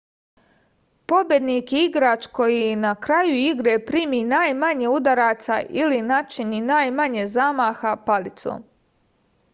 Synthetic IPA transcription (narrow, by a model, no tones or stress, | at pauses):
po̞bje̞d̪niːkiɡɾaːt͡ʃko̞jinakɾajuiɡɾe̞pɾiːminaːjmaɲeud̪aɾaːt̪sa̰ʔilinat͡ʃininaːjmaɲe̞zamaːxapalit̪so̰m